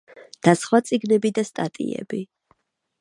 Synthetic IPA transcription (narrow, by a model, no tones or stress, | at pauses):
d̪̥asχwat̪sʼiɡnɛbid̪ast̪ʼat̪ʼḭɛ̰bi